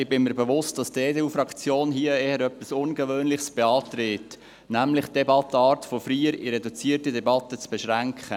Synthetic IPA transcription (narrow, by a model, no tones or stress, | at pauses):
ɪbɪnməɾbeʋʊstd̥ɑsteːdeuːfɾɑkt͡sjoːnɦiəeːhəɾœpːisʊnɡəʋøːnlɪχsb̥eɑːt̪ɾeːt | næmlɪχd̪̥ɛbɑtːəɑːɾtfofɾiːəɾiɾɛdut͡siːərtədɛbɑtət͡sb̥ɛʃɾæŋkχə